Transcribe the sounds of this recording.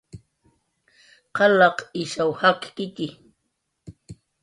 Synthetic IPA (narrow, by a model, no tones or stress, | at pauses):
qɑlɑqɪʃawhaqkɪt̪ɪ